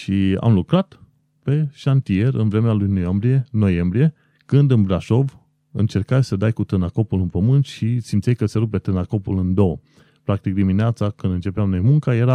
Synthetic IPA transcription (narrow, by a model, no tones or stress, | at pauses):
ʃia̰mlukɾat̪ | pe̞ʃant̪ie̞ɾɨ̰nvɾe̞mealujnojambɾije̞no̞je̞mbɾije̞ | kɨnd̪ɨnbɾaʃo̞v | ɨnt͡ʃe̞rkajsəd̪ajkut̪ɨnako̞pulɨnpəmɨnt̪ʃisimt̪sejkəseɾub̚pe̞t̪ɨnako̞pulɨnd̪o̞wə | pɾak̚t̪ik̚d̪imineat̪sakɨnd̪ɨnt͡ʃe̞peamno̞jmuŋkaje̞ɾa